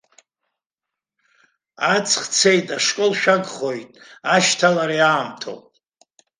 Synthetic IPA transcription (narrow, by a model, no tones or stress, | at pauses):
at͡sʰʼχt͡sʰejtʼaʂkʼolʃᶣaɡχo̞jtʼaʃtʰalaɾiaːmtʰo̰wpʼ